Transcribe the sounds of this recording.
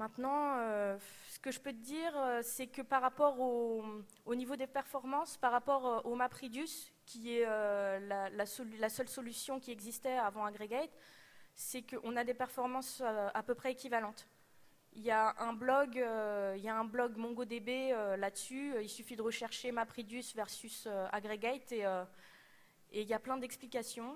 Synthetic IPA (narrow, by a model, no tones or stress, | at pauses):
mɛ̃t̪nɑ̃ø | sə̥kəʒəpøt̪əd̪iʁøsɛkəpaʁːapɔʁo | onivod̪epɛʁfɔʁmɑ̃spaʁːapɔʁøʔomapχid̪ys | kʲiɛølalasɔllasœlsɔlysjɔ̃kʲiɛɡzist̪ɛavɑ̃aɡʁeɡajt̪sɛkəʔɔ̃nad̪epɛʁfɔʁmɑ̃søapøpχɛekʲivalɑ̃t̪ | iljaʔɛ̃blɔɡøiljaɛ̃blɔɡmɔ̃ɡod̪ebeølad̪əsyøilsyfid̪əʁəʃɛʁʃemapχid̪ysvɛʁsysøa̰ɡʁeɡajt̪eø | eiljaplɛ̃d̪ɛksplikasjɔ̃